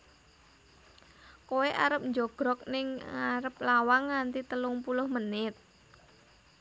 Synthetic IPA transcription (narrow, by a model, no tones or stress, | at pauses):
koweʔaɾəp̚ɲd͡ʒɔɡ̥ɾɔk̚nɪŋaɾəp̚lawaŋːant̪it̪əlʊŋpulʊhmənɪt̪̚